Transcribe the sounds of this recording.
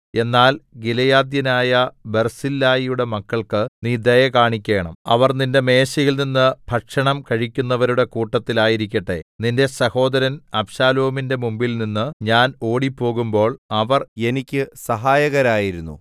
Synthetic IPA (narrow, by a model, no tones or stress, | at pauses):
e̞nːaːlɡilɐjaːd̪jɐnaːjɐbe̞rsilːaːjijuɽe̞mɐkːɐɭkɨniːd̪ɐjɐkaːɳikʲːe̞ːɳɐ̰mɐ̰ʋɐrninde̞me̞ːɕɐjilninːɨbʱɐʈʂɐɳɐmkɐɻikʲːunːɐʋɐɾuɽe̞kuːʈːɐt̪ːilaːjiɾik̬ʲːɐʈːe̞̰ninde̞sɐho̞ːd̪ɐɾɐnɐpɕaːloːminde̞mumbilninːɨɲaːno̞ːɽipːo̞ːɣumbo̞ːɭɐʋɐre̞nikʲːɨsɐɦaːjɐɣɐɾaːjiɾunːṵ